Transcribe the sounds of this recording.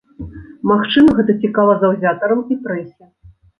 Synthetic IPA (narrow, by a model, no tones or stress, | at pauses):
maxt͡ʂɨmɐɣɛt̪ɐt͡sʲikalˠɐzɐwzʲat̪ɐɾɐmipɾɛsʲɛ